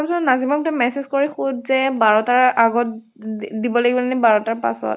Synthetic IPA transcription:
pisɔnazimɔk̚tɛmɛsezkoɹixutzɛbaɹɔtaɹaɡɔt | dibɔlaɡibɔlanɛbaɹɔtaɹpa̰sɔ̰t

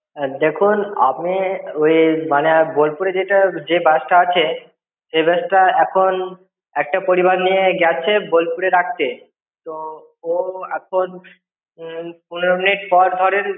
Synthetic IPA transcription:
d̪ekʰuna̰pmiojmanebolpuɾed͡ʑeʈad͡ʑebɛʃʈaat͡ɕʰe | ʃebɛʃʈaɛkʰon | ɛk̚ʈapoɾibaɾnijeɡɛt͡ɕʰebolpuɾeɾak̚ʰt̪e | t̪o | oɛ̰kʰon | punɾominiʈpɔɾd̪ʱɔɾen

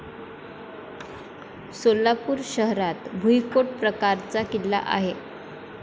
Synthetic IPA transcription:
solːapuːɾɕəɦɾat̪bʱujkoʈ̚pɾəkaɾt͡sakillːa̰ʔa̰ɦe

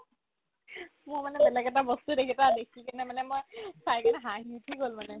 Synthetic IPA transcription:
mʊɹmanɛbɛlaɡɛtabɔstudekʰitadekʰikanɛmanɛmojsajkanɛɦaɦitʰikɡɦolmanɛ

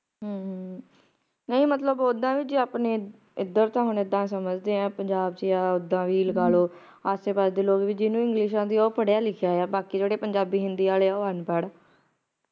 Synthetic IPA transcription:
ɦː | nəĩːmət̪ləboːd̪ãːʋiːd͡ʒiːaːpneː | ɪd̪əɾt̪ãːɦʊnɪd̪ãːsəməd͡ʒd̪eːãːpəɲd͡ʒaːbt͡ʃjaːʊd̪ãːʋiːləɡaːloː | aːseːpaːɾd̪eːloːkʋiːd͡ʒɪːnũːɪ̃ŋɡlɪʃ̬ãːd̪iːoːpəɽjaːlɪkʰjaːjaːbaːkiːd͡ʒeːɽeːpəɲd͡ʒaːbiːɦɪnd̪iːaːleːaːoːɦənpɛːɽaː

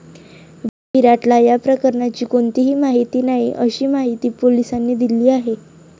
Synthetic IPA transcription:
ʋiiɾaʈlajapɾəkəɾɳat͡ɕiːkoɳt̪iɦiːmaɦit̪iːnaɦḭʔəɕiːmaɦit̪iːpolisanːiːd̪iliːaɦe

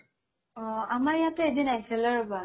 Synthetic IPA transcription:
ɔamaɹjatʊedinaɦjsɛlɔɹʊba

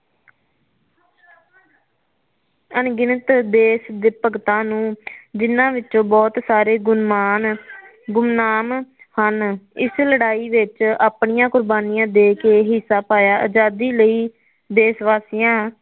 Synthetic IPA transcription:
ənɡɪnət̪d̪eːsd̪ɪpəɡt̪ãːnũːd͡ʒɪnãːʋɪtːõːbɔːt̪saːɾeːɡʊnmaːn | ɡʊmnaːm | hənɪsləɽaːiːʋɪt͡ʃaːpɳɪjãːkʊɾbaːnɪjãːd̪eːkeːɦɪsːaːpaːjaːʔəd͡ʒaːd̪iːləiː | d̪eːsʋaːsɪjãː

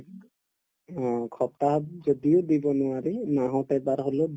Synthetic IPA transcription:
ɔ̃kʰɔp̚taɦɔzɔdijod̪ibɔnʊwaɾinaɦɔ̃tɛbaɾɦolod

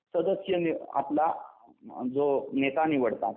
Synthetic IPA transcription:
səd̪əsjənia̰pla | d͡zonet̪aniʋəɽt̪a̰

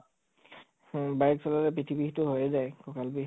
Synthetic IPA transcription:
baɹk̚sɔlalɛp̬ɹitʰibixtʊɦojɛzajkɔkalbi

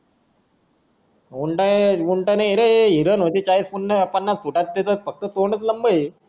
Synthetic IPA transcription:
uɳʈaʋuɳʈanaɾeeɦiɾənɦot̪it͡ɕaɾiːsfunnepənːaspuʈat̪t̪et̪ət̪̚fək̚t̪ət̪oɳət͡sləmbəj

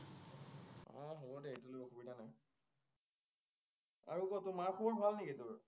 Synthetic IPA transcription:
ɔ̰̃ɦobɔdɛetulojɔxubidanaj | a̰ɹuɡɔtʊmaxʰɔɔɹbʱalnekitʊɹ

